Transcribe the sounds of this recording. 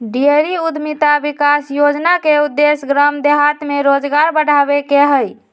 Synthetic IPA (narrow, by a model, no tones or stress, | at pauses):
ɖieɾiud̪ʱmit̪abikasjod͡ʒnakeud̪ːesɡɾəmd̪eɦat̪meɾod͡ʒɡaɾbəɽ̤ʱabekeɦəj